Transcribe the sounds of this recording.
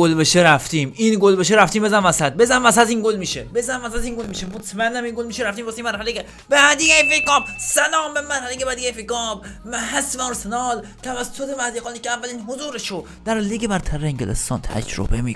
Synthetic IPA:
olbeʃeɾæft̪iːminɡolbeʃ̬eɾæft̪iːmbezænmmæsæd̪̚bezænmæsæt̪inɡolmiːʃebezæmːæsæt̪inɡolmiːʃemot̪ʰmænd̪æminɡolmiːʃeɾæft̪iːmbost̪imæɾhæleke | b̥ææd̪ijæfekɒːb̚sælɒːmbemæɾhælekebæd̪ijejfekɒːbmæɦæsmæɾsenɒːlt̪ʰævæsːot̪emæhd̪iqɑːnikʰeævːælinɦozuːɾeʃo | d̪̥æɾliɡebæɾt̪ʰæɾːeeŋɡelḛst̪ɒ̰ːnt̪ʰæ̰d͡ʒɾo̰bemi

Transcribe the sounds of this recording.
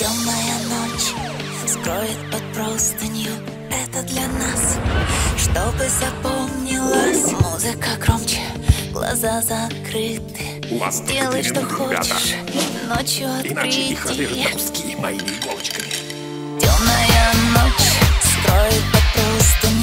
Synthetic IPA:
tʲomnəjənot͡ɕ | skɾojɪt̪̚pɐt̪̚pɾost̪ənʲɪjʊ | ɛt̪əd̪lʲɐnasʂt̪o̞bɨzɐpomnʲɪlˠəsʲmuzɨkəkɾomt͡ɕɪ | ɡ̥lˠɐ̰zazɐt̪kɾɨt̪ɨj | zʲdʲelˠəjʂt̪oxot͡ɕɪɪʂnot͡ɕjʊɐt̪k̪ɾɨtʲɪ | tʲomnəjənot͡ɕst̪ɾojɪt̪̚pɐt̪̚pɾost̪ənʲ

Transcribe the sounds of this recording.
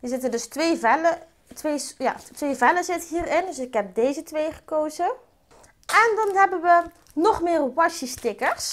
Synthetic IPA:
hizɪtədøstʋeːvɛlə | tʋeːsja̰tʋeːvɛləzɪtəɦiːrɪndøsɪkɦɛp̚dejzətʋejχəkoːzə | ʔɛndɔnɦɛbənʋə | nɔχmɪːrʋɑʃəstɪkəɹs

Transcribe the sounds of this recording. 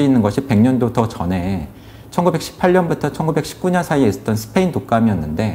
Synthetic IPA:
uinːɯnɡʌɕʰip͈e̞ŋɲʌndotʌt͡ɕʌne̞ | t͡ɕʰʌnɡube̞k̚ɕ͈ʰi̥pʰaɭɲʌnbutʰʌt͡ɕʰʌnɡube̞k̚ɕʰi̥p̚k͈uɲʌnsʰaieis͈ʌt͈ʌnsʰɯ̥pʰe̞intok͈amiʌnːɯnde̞

